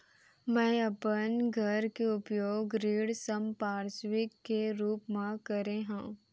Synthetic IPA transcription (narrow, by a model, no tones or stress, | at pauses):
mɛ̃ːɐpənɡʱɐɾkeʊpjoːɡɾiːɽsəmpaːɾswɪkːeɾuːpmãkəɾeɦãː